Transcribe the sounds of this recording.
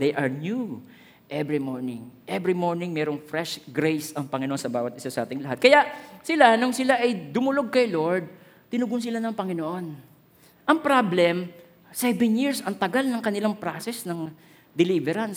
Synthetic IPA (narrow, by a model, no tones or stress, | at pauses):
d̪ejʔɐɹnju | ʔɛbɹimoɹnɪŋʔɛbɹimo̞ɹnɪŋmɛːɾoŋfɾɛʃɡɾejsɐŋpɐŋɪnoʔonsɐbaːwɐt̪̚ʔɪsasɐʔaːt̪ɪŋlɐɦat̪̚kɐjaʔsɪlanoŋsɪlaʔɐjd̪ʊmʊloɡ̚kɐjloɹd̪̚ | t̪ɪnʊɡʊns̬ɪlanɐŋpɐŋɪnoʔo̞n | ʔɐŋpɾablɛm | sɛvɛnjiɹsʔɐŋt̪ɐɡalnɐŋkɐnɪlaŋpɾaːsɛsnɐŋ | d̪ɛlivɛɾɐns